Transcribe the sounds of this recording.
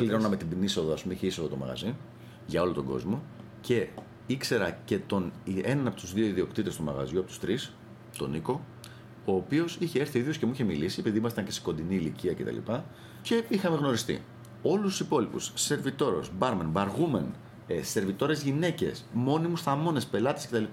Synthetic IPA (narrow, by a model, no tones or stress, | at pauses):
pliɾo̞nɐme̞t̪ibiniso̞ðɐɐspumeiçeisoðot̪omɐ̰ɣɐ̰zi | ʝɐo̞lot̪o̞ɡo̞̰zmo̞ | ce̞ | ikse̞ɾɐce̞t̪o̞nienɐnɐpo̞t̪uzðioiðio̞kt̪it̪e̞st̪omɐ̰ɣɐ̰zʝuɐpot̪ust̪ɾis | t̪o̞̰niko̞ | o̞ːpio̞siçe̞eɾθiiðjosce̞muiçe̞milisie̞piðimɐst̪ɐnce̞si̥ko̞nd̪iniːliciɐce̞t̪ɐ̰lḭpɐ | ce̞ixɐme̞ɣno̞ɾist̪ḭ | o̞lust̪u̥sipo̞lipṵsːe̞ɾvit̪o̞ɾo̞̰sbɐɾmɐnbɐɾɣumɐn | se̞ɾvit̪o̞ɾe̞zʝine̞ce̞smo̞nimusθɐmo̞ne̞spe̞lɐt̪e̥scet̪ɐlipɐ